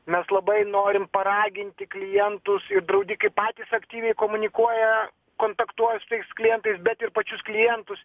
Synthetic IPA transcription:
mʲɛslˠɐbɐɪnoːɾʲɪmpɐɾɑːɡʲɪnʲt̪ʲɪklʲɪjɛnt̪ʊsɪɾd̪ɾɐʊd̪ʲikɐɪppɑːt̪ʲiːsɐkt̪ʲiːʋʲɛɪkoːmʊnʲɪkuɔjɛ | koːnt̪ɐkt̪uɔjɛsʊt̪ɐɪsklʲɪjɛnt̪ɐɪsbʲɛt̪ɪrpɐt͡ʃʲʊsklʲɪjɛnt̪ʊs

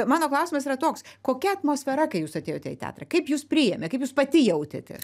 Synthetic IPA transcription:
mɑːnoːklˠɐʊsʲɪmɐs̬iːɾɐt̪oːkskoːkʲɛɐt̪moːsʲfʲɛɾɐkɐɪjuːsɐt̪ʲeːjoːt̪ʲɛ̰ɪ̰t̪ʲæ̰ːt̪rɐkɐɪpjuːspʲɾʲɪjɛmʲɛkɐɪpjuːspɐt̪ʲɪjɛʊt̪ʲḛt̪ʲɛ̰

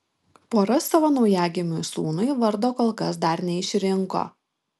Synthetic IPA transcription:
poːɾɐsːɑʋoːnɒʊjæːɡʲɪmʲʊjsuːnʊɪʋɐɾd̪oːkoːlˠkɐsd̪ɐɾnʲɛɪʃʲɾʲɪŋko̰ː

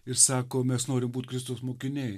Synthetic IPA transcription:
ɪɾsɑːkoːmʲɛsnoːɾʲɪmbuːt̪ʲkɾʲɪst̪osmoːkʲɪnʲej

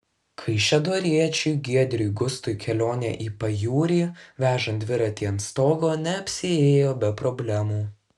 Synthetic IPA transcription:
kʰɐɪʃʲɛd̪oːɾʲiɛt͡ʃʲʊɪɡʲiɛd̪ʲɾʲʊɪɡʊst̪ʊjkʲɛlʲoːnʲɛ̰ʔiːpɐjuːɾʲiːʋʲæːʒɐnd̪ʲʋʲɪɾɐt̪ʲiːɐnt̪st̪oːɡoːnʲɛɐpʲsʲɪeːjoːbʲɛpɾɔbʲlʲɛmuː

